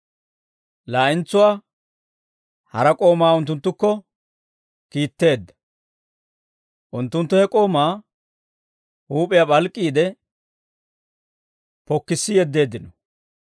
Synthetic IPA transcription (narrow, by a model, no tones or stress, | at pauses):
laːʔɪnt͡sːʊwaː | hɐɾɐkʼo̞ːmaːʊnt̪̬ːʊnt̪ːʊkːɔ | kiːt̪ːe̞ːd̪ːɐ̥ | ʔʊnt̪ːʊnt̪ːʊhɛkʼo̞ːmaː | huːpʼɪjabɐlkʼːiːd̪ɛ | pɔkːɪsːɪjɛd̪ːe̞ːd̪ːɪnɔ